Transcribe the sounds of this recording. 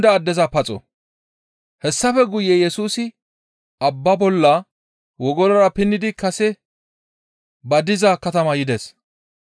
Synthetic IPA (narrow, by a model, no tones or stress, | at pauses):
d̪ɐːd̪ːɛzɐpɐt͡sʼɔ̰ | hɛsːɐfɛɡʊjɛjɛsuːsɪ | ɐbːɐbɔlːɐ | wɔɡɔlɐɾɐpɪnːɪd̪ɪkɐsɛ | bɐd̪ɪzɐkɐt̪ɐmɐjɪd̪ɛs